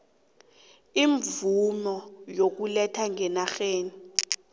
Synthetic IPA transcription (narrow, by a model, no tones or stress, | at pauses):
iɱvumɔjok̬ulɛtʰaŋɛnaxeːni